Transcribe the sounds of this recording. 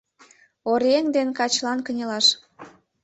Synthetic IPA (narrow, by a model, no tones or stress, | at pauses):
oɾeŋd̪enkɑt͡ɕlɑnkənʲelɑʃ